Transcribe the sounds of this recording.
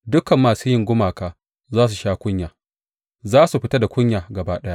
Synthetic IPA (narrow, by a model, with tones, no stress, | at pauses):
dʊ˦kɐ˨mːaː˨suː˦jɪ˦ŋɡʷʊ˦maː˨kaː˨ | zaː˦s̬u˨ʃaː˦kʷʊ˦ɲjaː˨ | zaː˦su˨ɸɪ˦ta˦da˨kʷʊ˦ɲjaː˨ɡɐ˨baː˦ɗja˦ʔ